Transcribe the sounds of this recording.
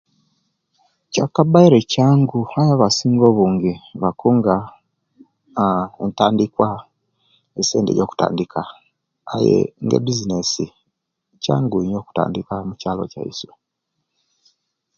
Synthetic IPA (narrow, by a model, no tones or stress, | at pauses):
cakabaiɾecaːŋɡuajaβasiːŋɡoβuːŋɡeβakʰuŋɡa | ntaːndikwa | eseːndḛjo̞ːku̥ta̰ːndikʰaː | jḛŋɡḛbizinesi | ca̰ːŋɡuɲo̞ːku̥ta̰ːndikamucaːlo̞̰ca̰ḭswe